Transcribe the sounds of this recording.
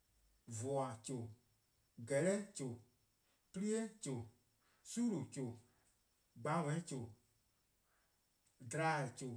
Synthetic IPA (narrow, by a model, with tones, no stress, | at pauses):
vɔ˨a˨t͡ʃo˨ | ɡɛ˨lɛ˦t͡ʃo˨ | pi˦li˦e˦t͡ʃo˨ | suː˦ɾo˨t͡ʃo˨ | ɡ͡ba˨˦wɛ̃˨˦ĩ˦t͡ʃo˨ | dɾa˨˦˨i˨t͡ʃo˨